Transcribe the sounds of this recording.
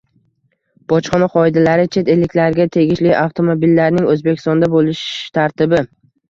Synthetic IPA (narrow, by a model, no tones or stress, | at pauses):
b̥ɒt͡ʃχɒnaqʰɒɪd̪alaɾɪt͡ʃʰe̞t̪e̞lːɪkʲlaɾɡʲat̪ʰe̞ɡʲɪʃlɪʔaft̪ʰo̞mobilːaɾnɪŋɵzbekʲʰɪst̪ɒnd̪abolɪʃt̪ʰaɾt̪ɪbɪ